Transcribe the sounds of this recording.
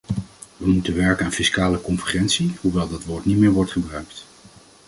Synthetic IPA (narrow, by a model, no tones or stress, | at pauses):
ʋəmutənʋɛɹkənaːnfiskaːləkɔnfəχɛntsihuʋɛlˠdɑtʋʊːɹtnitmɪːɹʋɔɹtχəbrœɥkt